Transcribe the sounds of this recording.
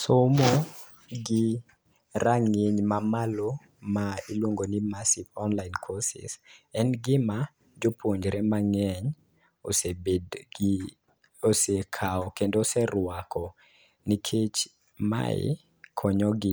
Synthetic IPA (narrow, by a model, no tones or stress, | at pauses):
somo | ɡɪ | ɾaŋeɲmamalo | mailwoŋɡonimasivɔnlaɪnkʰɔsɪ̰sɛnɡɪma | d͡ʒopʰoɲd͡ʒɾemaŋɛɲ | o̰sebed | osekʰaɔkendosɛrwakʰɔ | nikʰet͡ʃ | ma̰ɪ̰ | kʰɔɲɔɡɪ